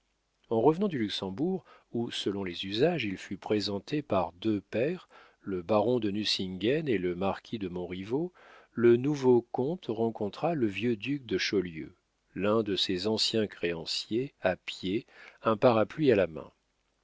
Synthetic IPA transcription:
ɑ̃ʁəvnɑ̃d̪ylyksɑ̃buʁ | usəlɔ̃lezyzaʒilfypχezɑ̃t̪epaʁd̪øpɛʁ | ləbaʁɔ̃d̪ənysiŋɡɛneləmaʁkʲid̪əmɔ̃ʁivolənuvokɔ̃t̪ʁɑ̃kɔ̃t̪χaləvjød̪yk̚d̪əʃɔljø̰ | lɛ̃d̪əsezɑ̃sjɛ̃kχeɑ̃sjeapjeɛ̃paʁaplɥialamɛ̰̃

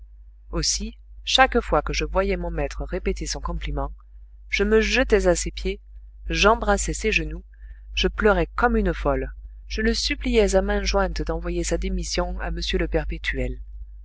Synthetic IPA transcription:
osi | ʃakfwakəʒəvwajɛmɔ̃mɛt̪χəʁepet̪esɔ̃kɔ̃plimɑ̃ | ʒ̥əməʒət̪ɛzasepje | ʒɑ̃bʁasɛsɛʒənu | ʒ̥əplœʁɛkɔmynəfɔl | ʒ̥ələsyplijɛzamɛ̃ʒwɛ̃t̪d̪ɑ̃vwajesad̪emisjɔ̃aməsjøləpɛʁpet̪ʰɥɛl

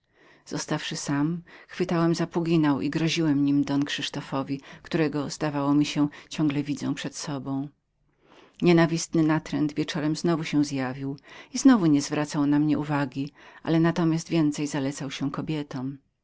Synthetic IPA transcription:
z̥ɔst̪afʂɘsamxfɘt̪awɛmzapuɡʲinawʔḭɡɾɔʑiwɛmɲimd̪ɔnkʂɘʂt̪ɔfɔvʲikt̪uɾɛɡɔzd̪avawɔmʲiɕɛ̃t͡ɕɔ̃ŋɡlɛvʲid̪zɔ̰̃w̃pʂɛt̪sɔbɔ̃w̃ | ɲɛnavʲist̪nɘnat̪ɾɛ̰nd̪vʲjɛt͡ʂɔɾɛmznɔvuɕɛzjavʲiwiznɔvuɲɛzvɾat̪sawnamɲɛuvaɡʲiʔa̰lɛnat̪ɔmʲjast̪vʲjɛnt̪sɛjzalɛt̪sawɕɛkɔbʲjɛt̪ɔm

